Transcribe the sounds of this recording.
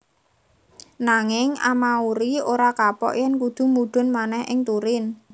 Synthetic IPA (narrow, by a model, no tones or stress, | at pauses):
naŋɪŋa̰mauɾioɾakapɔ̰ʔjɛnkud̪̥ṳmuɖ̪̥ʊ̤nmanɛhɪŋt̪uɾɪn